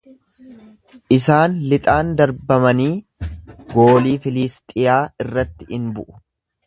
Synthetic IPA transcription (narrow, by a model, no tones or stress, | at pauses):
ʔɪsaːnlɪt̪ʼaːnd̪ɐɾbɐmɐniː | ɡo̞ːliːfɪliːst̪ʼɪjaːɪrːɐt̪ːɪ̥ɪnbʊʔʊ̥